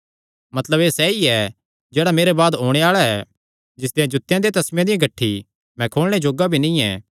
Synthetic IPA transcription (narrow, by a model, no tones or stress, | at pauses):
mɐt̪ləbeːsɛiɛ | d͡ʒeːɽameːɾebaːd̪ɦoːɽ̃eaːɭaɛ | d͡ʒɪsd̪ejãd͡ʒʊt̪ːjãd̪et̪ɐsmjãd̪ɪjãɡɐʈʰːi | mɛ̃kʰoːɭɽ̃ed͡ʒoːɡabʱinĩɛ̰̃ː